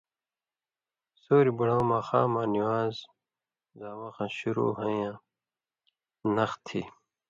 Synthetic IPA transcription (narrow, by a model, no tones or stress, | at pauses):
soːɾibuɽaːmaːxa̰ːmãːniwaːz | zaːwɐxãɕuɾṵːɦɐ̃jãː | nɐxt̪ʰḭ